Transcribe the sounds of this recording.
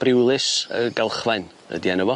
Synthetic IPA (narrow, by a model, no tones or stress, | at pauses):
b̥rɪwlˠɨsəɡɛlˠχvajn | ə̰diɛnəvɔ